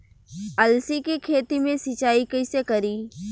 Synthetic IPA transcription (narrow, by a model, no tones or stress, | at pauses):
ɐlsikikʰeːt̪imẽsɪt͡ʃaːikɐɪsekɐɾiː